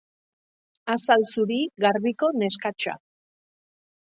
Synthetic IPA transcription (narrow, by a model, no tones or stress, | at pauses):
asalsuɾiɡaɾβiko̞ne̞skat͡ʃa̰